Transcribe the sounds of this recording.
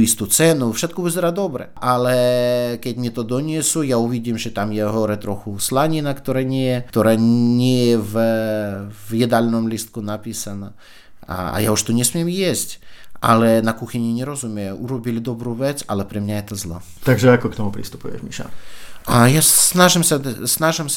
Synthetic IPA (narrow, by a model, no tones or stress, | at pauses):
lʲist̪ut̪t͡sɛnufʃɛt̪̚kɔʋɪzɛɾad̪ɔbɾɛ̰ʔalɛkɛɟʲmʲɛt̪ɔd̪ɔnʲiɛsujauʋʲiɟʲiːmʒɛt̪amjɛɦɔɾɛt̪ɾɔxʊslˠaɲʲinakt̪ɔɾɛɲʲɛjɛt̪ɔɾaɲɛjɛv | vjɛd̪alʲnɔmlʲist̪̚kʊnapʲisana | a̰a̰jauʃt̪ɔnʲɛsmʲɛmjɛsʲtʲa̰lˠɛnakuxʲinʲinʲɛɾɔzumʲɛjɛʔuɾɔbʲilʲɪd̪ɔbɾuʋɛt͡sʲalˠɛpɾɛmnʲajɛt̪ɐzlˠɔ | t̪aɡʒɛakɔkt̪ɔmupɾʲḭst̪u̥pujɛ̰ʒmʲiʃa̰ajanaʒɪmsʲasnaʒɪmsʲ